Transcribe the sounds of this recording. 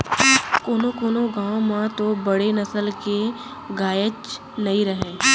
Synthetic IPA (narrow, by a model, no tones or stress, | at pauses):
koːnokoːnoɡãːwomãt̪obɐɽenɐsəlke | ɡaːjət͡ʃ | nɐɦĩɾəɦẽː